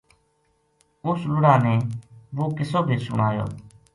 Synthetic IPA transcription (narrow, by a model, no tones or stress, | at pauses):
ʊslʊɽaːneːʋoːkɪsoːbʱiːsʊɽ̃aːjo̰ː